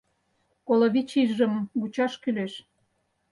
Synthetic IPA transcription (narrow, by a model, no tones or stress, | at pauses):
koloβit͡ɕiʒʒə̆mɡut͡ɕɑʃkyleʃ